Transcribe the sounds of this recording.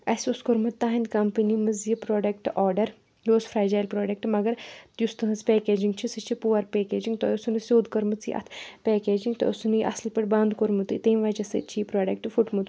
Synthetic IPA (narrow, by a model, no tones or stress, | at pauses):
ɐsʲuskoɾmɨt̪ːaːɦɐnʲd̪kɐmpɨnimɐzjipɾoːɖɐkʈʔoːɾɖɐɾ | loːsfʰɾaːd͡ʒaːjlpɾoːɖɐk̚ʈmɐɡɐɾt̪just̪ɨɦɨspeːkeːd͡ʒiŋɡt͡ʃʰisɨt͡ʃʰipuːʋɐɾpeːkeːd͡ʒiŋɡt̪ɔusunɨsʲoːd̪kɐɾmɨt͡sḭʔɐ̰t̪ʰpeːkeːd͡ʒiŋɡt̪ɔ̰ɐsunɨjiʔɐ̰slpɐʈʲbɐ̃ːnd̪koɾmut̪ɨ̰t̪eːmʋɐːt͡ʃɐsɨ̰t͡ʃʰipɾoːɖɐk̚ʈfuʈmut̪